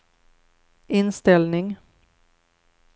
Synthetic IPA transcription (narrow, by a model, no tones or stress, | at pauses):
ɪnst̪ɛlnɪŋ